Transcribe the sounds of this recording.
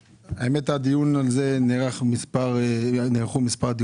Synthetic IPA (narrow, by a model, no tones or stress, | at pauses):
aemɛtad̪ijunalzeneʁaχmispaʁniʁχumispaʁd̪i